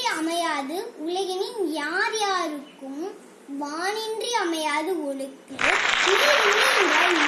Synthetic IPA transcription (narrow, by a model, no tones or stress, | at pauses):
ɐmɐjaːðɯʊlɐɣɐnɪnjaːɾjaːɾɯkːɯm | ʋaːnɪndriɐmɐjaːðɯɔɭɯkːɯɯɪðɐʊmːɐŋɡɐɭn